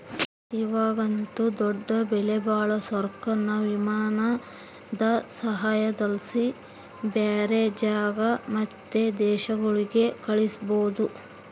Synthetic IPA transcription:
iʋaːɡɐnt̪ud̪ɔɖːɐbɛlebaːɭɐsɐɾkɐnːɐʋimaːnɐ | d̪ɐsɐɦaːjɐd̪ɐlsi | beːɾed͡ʒaːɡɐmɐt̪ːed̪ɛːʃɐɡɐɭiɡe̞kɐɭisboːd̪u

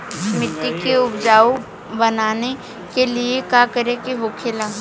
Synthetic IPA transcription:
mɪʈ̪ːikeʊbd͡ʒaːo | bɐnaːne | keliekaːkɐɾẽkiɦokʰelãː

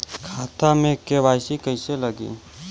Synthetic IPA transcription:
kʰaːt̪amẽkeʋaːjsikəɪseləɡḭː

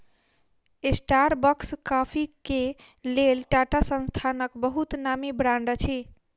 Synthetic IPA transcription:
esʈaɾbəkskapʰikelelʈaʈasə̃nst̪ʰanəkbəɦut̪namibɾãɳɖt͡ʃʰi

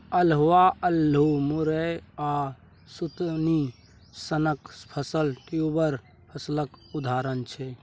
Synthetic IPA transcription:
əlɦuwaəlːumuɾəa | sut̪ni | sənəkspʰəsəlʈjubəɾ | pʰəsləkud̪ʱaɾənt͡ʃʰɛ

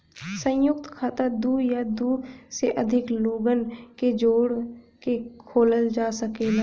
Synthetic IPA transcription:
sə̃jʊk̚t̪kʰaːt̪ad̪uːjad̪useʔɐd̪ʱɪkloːɡənked͡ʒoːɽ | kekʰoːləld͡ʒaːsəkena

